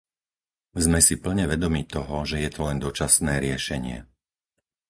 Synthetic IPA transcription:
zmɛsipl̩ɲɛʋɛd̪ɔmiːt̪ɔɦɔʒɛjɛt̪ɔlɛnd̪ɔt͡ʃasnɛːɾɪɛʃɛɲɪɛ̰

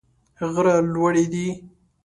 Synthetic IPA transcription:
ɣɾalwaɽed̪i

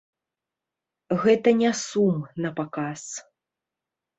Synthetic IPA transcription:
ɣɛt̪ɐnʲɛsumnɐpakas

